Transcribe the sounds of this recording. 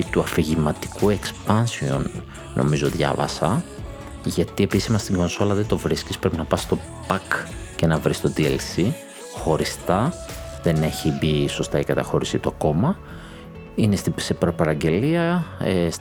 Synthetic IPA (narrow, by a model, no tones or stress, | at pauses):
t̪uɐfiʝimɐt̪i̥kue̞kspɐnsio̞̰nː | ʔo̞̰mizo̞ðʝɐ̰vɐ̰sɐ | ʝɐt̪ie̞pisizmɐst̪iŋɡo̞nso̞lɐðend̪o̞vɾiscispɾepinɐpɐst̪o̞ | pɐkce̞nɐvɾist̪o̞d̪iḛlsi | xo̞ɾist̪ɐðe̞ne̞çibiso̞st̪ɐikɐt̪ɐxo̞ɾisit̪uɐko̞mɐ | ine̞st̪ise̞pɾo̞pɐɾɐɟe̞liɐes